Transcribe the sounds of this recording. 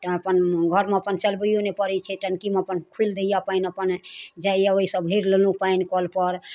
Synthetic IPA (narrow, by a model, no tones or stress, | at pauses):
əpənɡʱəɾmeəpənt͡ʃəlbəijonepəɾɛt͡ʃʰɛʈənkimeəpənkʰuld̪ejapainəpənd͡ʒaijaoɦisəbɦeɾlelũpainkɔlpəɾ